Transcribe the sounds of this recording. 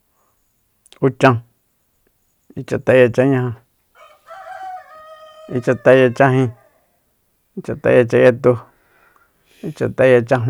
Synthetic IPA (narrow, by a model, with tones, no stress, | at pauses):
u˧t͡ʃã˧ | i˧t͡ʃa˧t̪a˧˦ja˧t͡ʃa˧˦ɲã˧hã˧ | i˧t͡ʃa˧t̪a˧ja˧t͡ʃa˦ɦĩ˧ | i˧t͡ʃa˧t̪a̰˧ja˧t͡ʃa˧ja˧t̪u˧ | i˧t͡ʃa˧t̪a˧˦ja˧t͡ʃa˦ɦ